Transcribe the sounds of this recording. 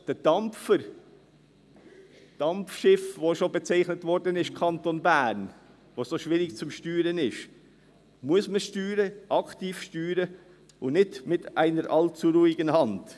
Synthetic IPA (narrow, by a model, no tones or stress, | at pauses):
d̥əd̥ɑmfəɾ | d̥ɑmfʃɪfvoʃobɛt͡sæɪχnətvɔɾdənɪʃkʰɑntonbæːɾn | ʋosoʃʋɪɾɪkt͡sʊmʃtyːɾənɪʃ | muəsməʃtyːɾəʔɑktiːfʃtyːɾə | ʊnnɪdmɪtʔæɪnəɾʔɑlt͡suɾuɪɡənhɑnd̥